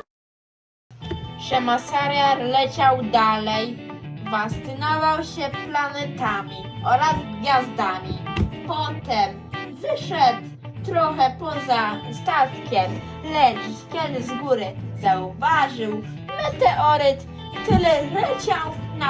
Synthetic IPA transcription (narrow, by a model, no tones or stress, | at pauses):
ʂɛmasaɾjaɾlɛt͡ɕawd̪alɛjvast̪ɘnɔvawɕɛplanɛt̪amʲi | ʔɔɾazɡɡʲjazd̪amʲipɔt̪ɛm | vɘʂɛt̪ | t̪ɾɔxɛpɔzast̪at̪kʲɛm | lɛdkʲɛd̪ɘzɡuɾɘzauvaʐɘw | mɛt̪ɛʔɔɾɘt̪ | t̪ɘlɛlɛt͡ɕawna